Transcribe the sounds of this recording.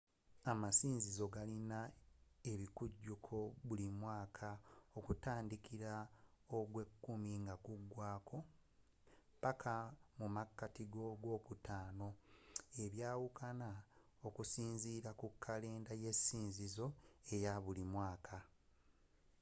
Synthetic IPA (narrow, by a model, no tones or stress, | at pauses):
amasiːnzizo̞ɡalinae̞βikuɟːukʰo̞βulimwaːkʰao̞kutaːndikʰiɾa | oɡwe̞kːumiŋɡakuɡwaːkʰo̞ | pakʰamumakːatiɡo̞ɡo̞ːkutaːno̞e̞βjaːwukʰana | o̞kusiːnziːɾakukʰːale̞ːndaje̞siːnzizo̞e̞jaβulimwaːkʰa